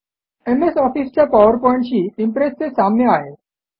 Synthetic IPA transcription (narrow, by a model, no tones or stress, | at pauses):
emesɔfist͡ɕjapaʋəɾpɔjĩɳʈɕiːimpɾest͡sesamnjeaɦe